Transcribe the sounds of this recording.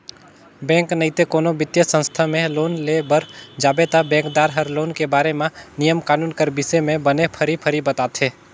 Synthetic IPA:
bɛ̃ːŋknɐɦit̪ekoːnobɪt̪jəsə̃nst̪ʰamẽloːnlebəɾd͡ʒaːbet̪abɛ̃ːŋkd̪aːɾɦəɾloːnkebaːɾemẽnijəmkaːnuːnkəɾbɪsemẽbənepʰəɾipʰəɾibət̪aːt̪ɦeː

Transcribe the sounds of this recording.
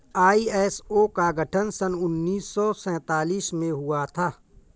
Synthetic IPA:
aːiɛːsoːkaɡʱəʈʰənsənʊnːiːsːɔːsɛ̃ːt̪aːliːsmẽɦʊat̪ʰaː

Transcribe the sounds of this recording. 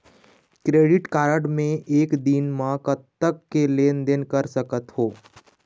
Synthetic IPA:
kɾeːɖɪʈkaːɾəɖmẽʔeːkd̪inmãkət̪əkːeleːnd̪ɪnkɐɾsɐkət̪ɦoː

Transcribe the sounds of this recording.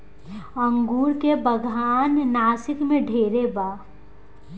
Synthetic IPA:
ə̃ŋɡuːɾkebəɡʱaːnːaːsɪkmẽɖʱeːɾebaː

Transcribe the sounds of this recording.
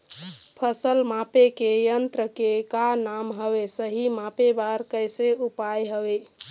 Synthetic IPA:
pʰəsəlmapekejənt̪ɾəkekanamɦəbesəɦimapebaɾkəjseupajɦəbe

